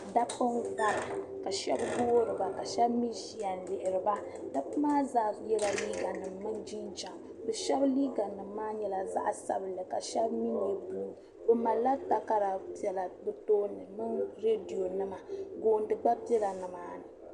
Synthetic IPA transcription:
da˦pɨ˦nka˦ʔa˨ka˨ʃɛ̰˦bɡoː˦ɾɨ˨ba˨ka˨ʃɛ˦bmi˦ʒi˦ja˨nlɪ˨ʔɪ˨ɾɨ˨ba˦ | da˦pmaː˦zaː˦jɛ˦la˨liː˦ɡa˨nɨ˨mːɨ˦nd͡ʒi˦n˦d͡ʒa˨m | bɛ˨ʃɛ˦bliː˦ɡa˨nɨ˨mː˦aː˦ɲɛ˦la˨za̰˦ʔsa̰˦bɨ˨lɨ˨ka˨ʃɛ˦bmi˦n˨e˨buː˦˨ | bɨ˦ma˨la˦ta˨ka˦ɾa˨pi˨ɛ˨la˨bɨ˦toː˦nːɨ˨mɨ˦nɾe˦di˨jo˨nɨ˦ma˨ɡoː˨n˦dɨ˨ɡ͡ba˦pɛ˦la˨nɨ˨maː˦nɨ˨

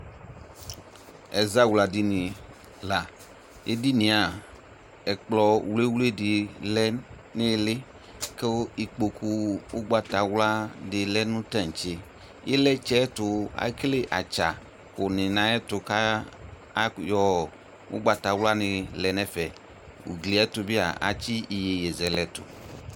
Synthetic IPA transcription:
ɛ˨za˦wla˨di˦nĩ˨ | la˨ | e˦di˦nĩ˨a˨ | ɛ˨k͡plɔ˨wle˦wu˦le˦dɪ˨lɛ˦ | ne˦le˦ | ke˦o˦i˨k͡po˨ku˦wo˦ɡ͡ba˨t̪a˨wla˦dɪ˨lɛ˦nũ˦ta˦˨ŋ̩˨t͡ʃe˦ | je˦lɛ˦t͡ʃɛ˦t̪ʊ˨a̰˨˦kle˦ʔa˨t͡ʃa˨ | ko˨nɪ̃˨nã˨˦ɛ˦tʊ˨ka˦ | jɔ˦ | wo̰˦ɡ͡ba˨t̪a˨wla˦nɪ˨lɛ˨nɛ̃˦fɛ˨ | ṵ˨ɡli˨ɛ˦t̪o˨bi˦a̰˨a̰˨t͡ʃi˦i˨je˨je˨zɛ˨lɛ˨tʊ̰˨

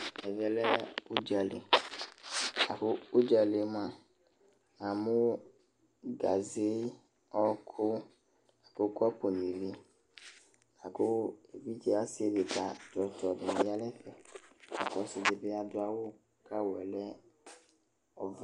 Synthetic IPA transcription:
ɛ˨vɛ˦lɛ˦u˦d͡ʒa˨lḛ˨ | a˨ko˦u˦d͡ʒa˨le˨˦m˦ã˨ | ã˨mũ˦ | ɡa˨ze˦ | ɔ˦kʰʊ˦ | a˨ko˦kɔ˦po˨nĩ˨vi˦ | a˨ko˦e˨vi˦d͡ʒɛ˦a˦sɪ˦e˨be˨ta˨d̪ɔ˨t̪ɔ˨dɪ˨ni˦a˦lɛ˦fɛ˨a̰˨kɔ˨sɪ˨de˨be˦a˨dʊ˦a˨wo˦ | kʰa˦wɛ˨lɛ˦ | ɔ˨v

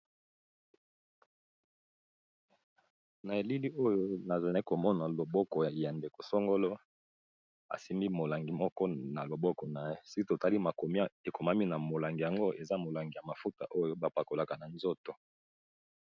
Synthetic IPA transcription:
na˨e˨li˦li˦ʔo˦jo˦na˨za˨n˦ko˨mɔ˦na˨lo˨bɔ˦kɔ˨ja˨nde˨ko˨so˦ŋɡo˦lɔ˦ | a̰˨si˦mbi˦mo˨la˨ŋɡi˨mɔ˦kɔ˦na˨lo˨bɔ˦kɔ˨na˨je˦si˦ki˦to˨ta˦li˦ma˨ko˨mi˦a˦e˨ko˨ma˦mi˦na˨mo˨la˨ŋɡi˨ja˨ŋɡo˦ʔe˨za˦mo˨la˨ŋɡi˨ja˨ma˨fu˦ta̰˨ʔo˦jo˦ba˨pa˨ko˨la˨ka˨na˨nzo˦to˨

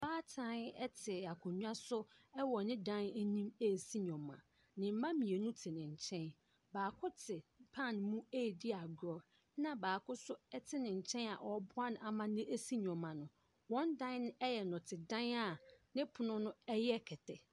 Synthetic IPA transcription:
baː˦tʰã˦nɛ˦tʰɪ˨a˨kʰʊ̃˨ɲũ˦a˦sʊ˦ɛ˦wɔ˨nɪ̃˦dã˦nɛ˦nĩ˦me˦˨si˦ɲɔ̃˨mːã̰˨ | nɪ̃˨m̩˦mã˦mĩ˨e˨nũ˦tʰɪ˨nɪ̃˨ɲ˨t͡ɕʰɛ̃˦n | baː˨kʰʊ˦tʰɪ˨pʰã˦˨nmũ˦e˦˨di˦a˨ɡɾɔ˨˦ | nã˨baː˨kʰʊ˦sʊ˦ɛ˦tʰɪ˦nɪ̃˨ɲ̩˨t͡ɕʰɛ̃˦na̰˨ʔɔ˨˦bʊ˦a˦nʊ̃˨a˨mã˦nɪ̃˦ʔe˦si˦ɲɔ̃˨mːã˨nʊ̃˨ | wɔ̃˦ndã˦n˦ñ˦ɛ˦jɛ˨nʊ̃˨tʰɪ˨dã˦na˨nɪ̃˦pʰʊ˨nʊ̃˦nʊ̃˦ɛ˦jɛ˦kʰɛ˨tʰɛ˨

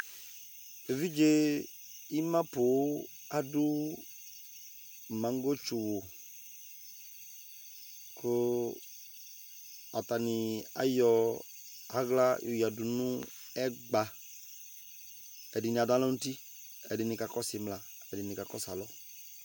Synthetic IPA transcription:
e˨vi˦d͡ʒe˦ | i˦mã˦pʊ˨˦ | a˨dʊ˦˨ | mã˨ŋ˦ɡo˦t͡ʃʊ˨wʊ˨ | kʰʊ˦ | a˨ta˨nɪ˨a̰˦jɔ˦ | a˦ɡla˦jo˨ja˨du˨nũ˦ | ɛ˦ɡ͡ba˨ | ɛ˨dɪ˨ni˨a˨da˦lɔ˦nu˦ti˦ | ɛ̰˨dɪ˨nɪ˨ka˨kɔ˦sɪ˨˦mla˨ | ɛ˨dɪ˨nɪ̃˨ka˨kɔ˦sa˨lɔ˦

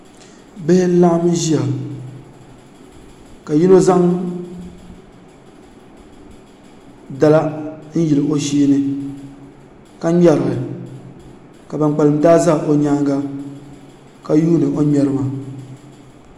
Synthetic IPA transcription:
bɪ˦hɪ˦la˦m˦ʒi˦a˨ | ka˨ji˦no˦za˦ŋ | da˨la˦n̩˦ji˨lɨ˨ʔo˦ʃeː˦nɨ˦ | ka˦ɲɛ˦ɾɨ˨ɣɨ˨ | ka˨ba˨n˨k͡pa˨lɨ˨m˦daː˦za˦˨ʔo˨ɲaː˦ɡa˦ | ka˦juː˦nɨ˨ʔo˦ɲɛ˦ɾɨ˦ma˨

